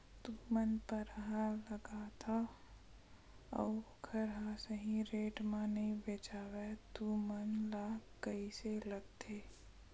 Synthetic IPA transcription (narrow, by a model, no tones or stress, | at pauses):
t̪umənpəɾəɦaləɡat̪ʰa | ɔ̰ː | kʰəɾɦasəɦĩɾeːʈmaneĩbeːt͡ʃaːwɛt̪umənlakəiseləɡt̪ʰeː